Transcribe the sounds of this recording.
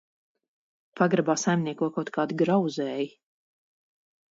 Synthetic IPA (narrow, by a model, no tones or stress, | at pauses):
paɡɾabaːsajmniɛkuɔkawt̪kʰaːd̪ɡɾawzɛːji